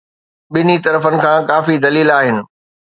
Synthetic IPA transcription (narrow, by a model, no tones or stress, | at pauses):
ɓɪnit̪ɐɾəfənɪ̆kʰãːkaːfid̪ɐliːlaːɦɪnɪ̆